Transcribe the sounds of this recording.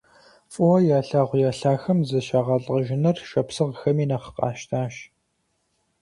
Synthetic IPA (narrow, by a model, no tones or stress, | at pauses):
fʼʊwɐjaːɬaːʁʷjaːɬaːxɐmzɐʃaːʁɐɬʼɐʒɪnɐrʃɐpsɨʁxɐmiːnɐχə̥qʼɑ̰ːʃtʰaːʃ